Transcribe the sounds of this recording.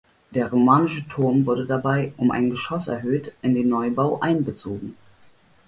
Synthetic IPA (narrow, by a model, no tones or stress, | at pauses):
d̥eːɐʁomaːnɪʃətʰʊɐmvʊɐdədabaɪʔʊmʔa̰ɪnɡəʃɔsɛ̰ɐɦøːtʔɪndeːnːɔʏbaʊʔaɪnbət͡soːɡŋ̩